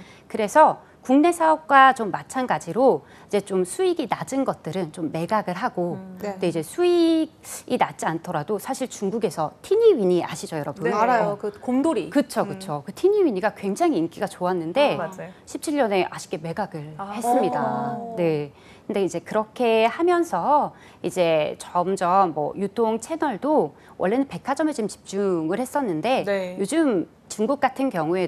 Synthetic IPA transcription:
kɯɾe̞sʰʌ | kuŋne̞sʰaʌp̚k͈wat͡ɕomːat͡ɕʰanɡad͡ʑiɾo | id͡ʑe̞t͡ɕomsʰuiɡinad͡ʑɯnɡʌt̚t͈ɯɾɯnt͡ɕomːe̞ɡaɡɯɭɦaɡoɯndeid͡ʑe̞sʰuiɡ̚inat̚t͡ɕ͈iantʰʌɾadosʰaɕʰiɭt͡ɕuŋɡuɡe̞sʰʌtʰiɲiɥiɲia̰ɕʰid͡ʑʌjʌɾʌbɯnajokoŋdoɾikɯt͡ɕʰokɯt͡ɕʰokɯtʰiɲiɥiɲiɡakwe̞ŋd͡ʑaŋiːnk͈iɡat͡ɕoanːɯnde̞ad͡ʑɕʰip̚t͡ɕʰiʎːʌne̞ʔaɕʰi̥k͈e̞me̞ɡaɡɯɭhe̞s͈ɯmɲidane̞ | kɯnde̞id͡ʑe̞kɯɾʌkʰe̞hamjʌnsʰʌ | id͡ʑe̞t͡ɕʌmd͡ʑʌmːʌ̰jutʰoŋt͡ɕʰe̞nʌɭdo | wʔʌ̰ɭːe̞nɯnpe̞kʰad͡ʑʌmet͡ɕomt͡ɕi̥p̚t͡ɕ͈uŋɯɭhes͈ʌnːɯnde̞jod͡ʑɯm | t͡ɕuŋɡuk̚k͈atʰɯnkjʌŋue̞

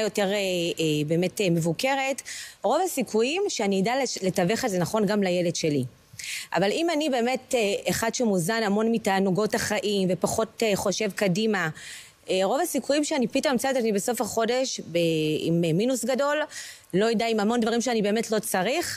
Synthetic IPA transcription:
ajo̞te̞ʁebe̞ːmetemevuke̞ʁe̞tʁovasikʰujimʃeaniidalle̞taveχezenaχo̞nɡamlajeledʃe̞li | ʔa̰valimanibe̞ːme̞teeχadʃemuzanamo̞nmitaːnuɡo̞taχaʔimve̞paχo̞teχo̞ʃe̞vkadima | eʁo̞vasikujimʃeanipitommt͡satanibeso̞faχo̞de̞ʃbeḭmminusɡado̞lː | ojidaimamo̞ndvaʁimʃeanibe̞ːmetlo̞t͡saʁiχ

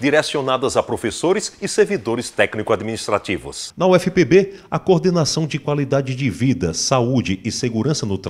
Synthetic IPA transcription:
d̪iɾesionad̪ɐzapɾofesoɾɪsɪseɾvid̪oɾɪst̪ɛknikʊad̪minist̪ɾat͡ʃ̪ivʊ̰snɐuɛfipebeɐkoɾd̪enasɐ̃w̃d͡ʒɪkwalid̪ad͡ʒɪd͡ʒɪvid̪ɐsaud͡ʒɪɪseɡuɾɐ̃sɐnʊt̪

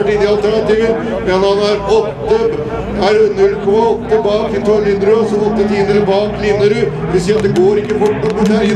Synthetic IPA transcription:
ʈɪnɪɑlt̪æɳɑt̪iːʋə | mɛnhɑnæɾɔt̪ːə | æɾnʉlːkʰɔmɑɔt̪ːəbɑːkɪt̪ʰɔlhɪnd̪ɾʊsɔɔt̪ːət̪iːnəɾəbɑːklɪnəɾəʋɪsiːɑt̪d̪ɛɡoːɾɪkːəbʊʈːɔpɾɔt̪æɾ

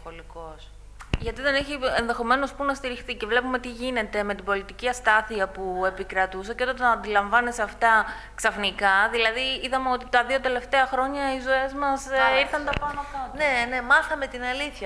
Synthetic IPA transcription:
olikos | ʝɐt̪iðe̞neçienðe̞xo̞me̞no̞spunɐst̪iɾixθice̞vle̞pume̞t̪iʝine̞t̪e̞me̞t̪ibo̞lit̪iciɐst̪ɐθiɐpue̞pikɾɐt̪usɐcet̪ot̪eɐnd̪ilɐɱvɐneseɐft̪ɐ | ksɐfnikɐðilɐðiiðɐmeo̞t̪it̪ɐðio̞t̪e̞le̞ft̪e̞ɐxɾo̞ɲɐizoe̞zmɐsiɾθɐnd̪ɐpɐnot̪ɐnene̞mɐθɐme̞t̪inɐliθçɐ

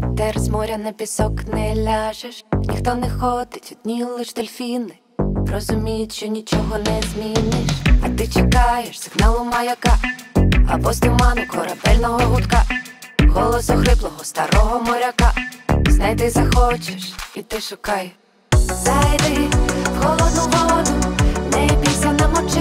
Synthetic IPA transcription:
t̪ɛrzmɔɾʲɐnɛpʲisɔknɛlʲaʒeʃnʲḭxt̪ɔnɛxɔd̪ɪtʲɔt̪ʲnʲilˠːɪʃt̪elʲfʲinɪ | ɾɔzʊmʲijɪʃt͡ʃɔnʲit͡ʃɔɦɔnɛzmʲinɪʃɐt̪ɪt͡ʃekɑjeʃsɪɦnɑlˠʊmɐjɐka | ɐ̰bɔsʲt̪ɪmɑnʊkɔɾɐbɛlʲnɔɦɔɦʊt̪kaɣɔlˠɔsʊxɾɪblˠɔɦɔst̪ɐɾɔɦɔmɔɾʲɐkaznɑjt̪ɪzɐxɔt͡ʃeʃit̪ɪʃʊkɑj | zajd̪ɪɣɔlˠɔd̪ɔɦɔd̪ʊnɛbʲisʲɐnɐmɔt͡ʃɪ

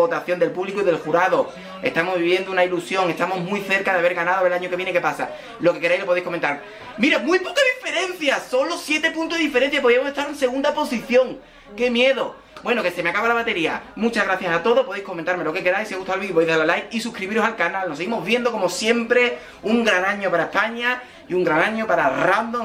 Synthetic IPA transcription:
ot̪aθjo̞nd̪e̞lpuβlikoiðe̞lxuɾaðo̞ | e̞̰st̪amozβiβje̞nd̪ounailusjo̞ŋe̞st̪amo̞ɦmwiθe̞ɾkaðeaβeɾɣanaðoelaɲoke̞βjeneke̞pasa̰ | lo̞ke̞ke̞ɾajlo̞poðejhkomẽnt̪aɾ | miɾemujpo̞kaðife̞ɾe̞n̟θjaso̞nlo̞sje̞t̪e̞pũnt̪oðiðifeɾen̟θjapo̞ðiamoseht̪aɾẽnse̞ɣũnd̪apo̞siθjo̞ŋ | ke̞mje̞ðo̞ | bwe̞noke̞se̞meakaβalaβat̪e̞ɾia̰mut͡ʃaɣɾaθjasat̪o̞ðopoðejhkoment̪aɾme̞lo̞ke̞ke̞ɾajsieɣust̪awelβiβojðalalajkisukɾiβiɾosalkanalnoseɣimoɦβje̞nd̪o̞ko̞mo̞sje̞mpɾe̞ | uŋɡɾanãɲo̞paɾaehpaɲa | iuŋɡɾanãɲopaɾarand̪oŋ

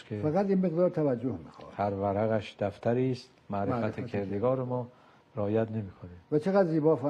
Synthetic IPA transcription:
kʰefaɣad̪inmeɣd̪ɒːɾt̪ʰævæd͡ʒːohmḭxɔ̰ːhæɾvæɾæɣæʃd̪æft̪ʰæɾiːst̪mæɾefæt̪ʰekʰeɾd̪eɡɒːɾemɒː | ɾeɒːjæt̪nemiːkʰoniːmvæt͡ʃʰeɣad̪ziːbɒːfa

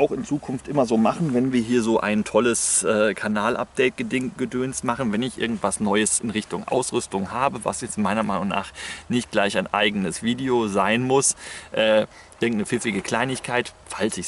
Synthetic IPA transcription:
ʔaʊxɪnt͡suːkʰʊnftʔɪmɐzoːmaχn̩vɛnviːɐɦiːɐzoːʔa̰ɪntʰɔləsʔɛːkʰanaːlʔa̰p̚d̥ɛɪt̚ɡ̥ədɪŋɡ̥ədøːnstmaχn̩vɛnɪçʔɪ̰ɐɡŋ̩tv̥asnɔʏəsɪnʁɪçtʊŋʔa̰ʊsʁʏstʊŋhaːbəva̰sjɛt͡stmaɪnɐmaɪnʊŋna̰ːχnɪçt̚ɡ̥laɪçaɪnʔa̰ɪɡənəsv̥iːdeozaɪnmʊsʔɛː | ʔɪɐɡŋ̩tnəfɪfɪɡəkʰl̥aɪnɪçkʰaɪtfalsɪç

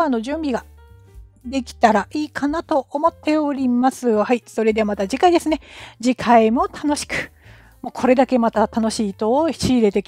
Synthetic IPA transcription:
anːo̞ʑɨ̃mbʲiɡa | d̪e̞kʲi̥t̪aɾaʔiːkʰanat̪o̞ʔomo̞t̪ʰːe̞o̞ɾʲimasɨjohaiso̞ɾe̞d̪e̞amat̪ad͡ʑikaid̪e̞sɨne̞d͡ʑikʰaimo̞t̪ʰano̞ɕi̥kɯ̟̥ | moːkʰo̞ɾe̞d̪ake̞mat̪at̪ano̞ɕiːt̪o̞çi̥ɕiːɾe̞t̪e̞kʲ

